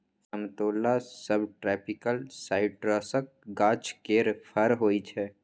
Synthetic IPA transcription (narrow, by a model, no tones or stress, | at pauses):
səmt̪oːlasəbʈɾɛːpʰɪkəlsaːɪʈɾɔːsək̚ɡaːt͡ʃkeːɾpʰəɾɦoːit͡ʃʰɛː